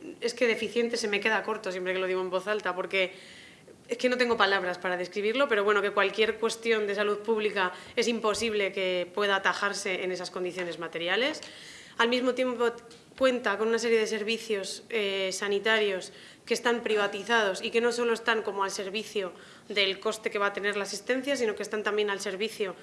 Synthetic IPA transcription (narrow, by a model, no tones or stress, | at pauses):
e̞ske̞ðe̞fiθje̞nt̪e̞se̞me̞ke̞ðako̞ɾt̪o̞sje̞mpɾe̞kelo̞ðiɣ̞oembo̞θalt̪apo̞ɾke̞ | eske̞no̞t̪̬eŋɡo̞palaβ̞ɾaspaɾaðe̞skɾiβ̞iɾlo̞pe̞ɾoβwe̞no̞ke̞kwalkje̞ɾkwe̞st̪jo̞nd̪e̞saluðpuβlika | e̞simpo̞siβle̞ke̞pwe̞ðaːt̪axaɾse̞ʔene̞sasko̞nd̪iθjo̞ne̞zmat̪e̞ɾjale̞s | almizmo̞t̪je̞mpo | kwe̞nt̪ako̞nunase̞ɾje̞ð̞e̞se̞ɾβ̞iθjo̞sesanit̪aɾjo̞s | ke̞ːst̪ampɾiβ̞at̪iθað̞o̞sike̞no̞so̞lo̞est̪aŋko̞moalse̞ɾβiθjo̞ | ðe̞lko̞st̪e̞keβaːt̪e̞ne̞ɾlasist̪e̞n̟θjasino̞ke̞st̪ant̪ambje̞nalse̞ɾβiθjo̞